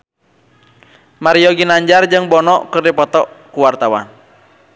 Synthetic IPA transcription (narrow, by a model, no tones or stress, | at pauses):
maɾiɔɡinaɲd͡ʒard͡ʒɨŋbɔnɔkɨrdipɔt̪ɔʔkuwart̪awa̰n